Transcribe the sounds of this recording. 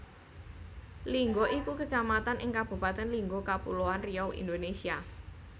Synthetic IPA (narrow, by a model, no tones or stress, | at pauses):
liŋɡoʔikukət͡ʃamat̪anʔɪ̰ŋkab̥ṳpat̪ɛnliŋɡokapṵloanrijɔwḭnd̪onesia